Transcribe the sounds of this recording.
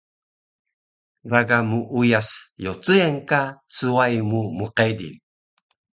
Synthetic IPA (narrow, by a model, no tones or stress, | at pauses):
raɡamuʔujasjot͡səenkat͡suajmumuqedḭ